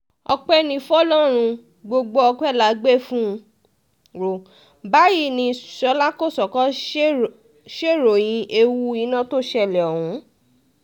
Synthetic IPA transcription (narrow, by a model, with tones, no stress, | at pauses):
ɔ̰˧k͡pɛ˦nĩ˧fɔ˦lɔ˦ɾ̃ũ˧ | ɡ͡bo˧ɡ͡bo˧ɔ˧k͡pɛ˦˨la˨˦ɡ͡be˦˨fũ˦˧ | ɾo˨ | ba˨˦ji˦˨nĩ˧˨ʃɔ˧˦la˦ko˦˨sɔ˨kɔ˦ | ʃe˦˨ɾo˨j̃ĩ˧˦e˧wu˦i˧˦nã˦˨to˦˨ʃɛ˧˨lɛ˨ɔ˨hũ˨˦